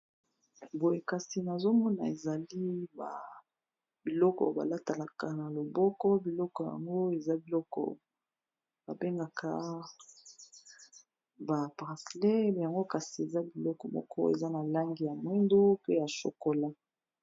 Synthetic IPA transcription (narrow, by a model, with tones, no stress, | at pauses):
bo˨je˨ka˨si˨na˨zo˦mɔ˦na̰˨e˨za˨li˦ba̰˨ | bi˨lɔ˦kɔ̰˨ba̰˨la˦ta˨la˨ka˨na˨lo˨bɔ˦kɔ˦bi˨lɔ˦kɔ˨ja̰˨ŋɡo˦e˨za˦bi˨lɔ˦kɔ̰˨ | b̥a˨be˦ŋɡa˨kʰa̰˦ | ba˨pʁa˨slɛ˦ja˨ŋɡo˦ka˨si˨e˨za˦bi˨lɔ˦kɔ˨mɔ̰˦kʰɔ̰˦ḛ˨za˦na˨la˦ŋɡi˨ja˨mwi˦ndu˦pe˦ja˨ʃo̰˨ko˨la˦